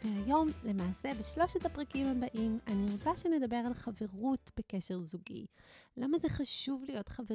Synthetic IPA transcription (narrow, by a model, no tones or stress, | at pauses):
veajo̞mle̞maːse̞beʃlo̞ʃetapʁakimhabaʔimaniʁot͡saʃene̞dabe̞ʁalχave̞ʁutb̥e̞keʃe̞ʁzuɡḭlamazeχaʃuvlijo̞tχave